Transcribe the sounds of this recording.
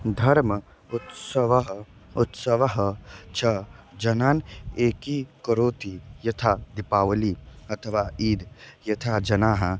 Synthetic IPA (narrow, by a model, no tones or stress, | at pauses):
d̪ʱɐɾm | ʊt̪səʋɦ | ʊt̪sɐʋɐɦt͡ʃʰɐd͡ʒɐnaːneːkikɐɾoːt̪ijɐt̪ʰad̪ɪpaːʋəliɐt̪ʰəʋaːiːd̪jɐt̪ʰaːd͡ʒɐnaːɦɐ